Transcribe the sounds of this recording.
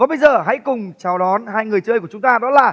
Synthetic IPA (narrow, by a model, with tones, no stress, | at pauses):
ɔ˨˦ɓə˧jzəː˨˩ɦa̰˧˥jkʊ˨˩ŋ͡mt͡ɕaː˧˩wɗɔ˨˦nɦaː˧jŋɨ˨˩əjt͡ɕəː˧jku˧˩ət͡ɕʊ˨˦ŋ͡mt̪aː˧ɗɔ˨˦laː˨˩